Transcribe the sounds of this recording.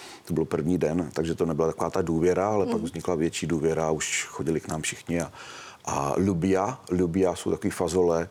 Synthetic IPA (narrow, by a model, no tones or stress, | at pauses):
t̪obɪlopr̩vɲiːdɛnt̪aɡʒɛt̪onɛbɪlat̪akovaːt̪aduːvjɛɾaalɛpaɡvzɲɪklavjɛt͡ʃiːduːvjɛɾaːuʃxoɟɪlɪknaːmfʃɪxɲɪa | ʔa̰lubɪjalubɪjasowt̪akoviːfazolɛ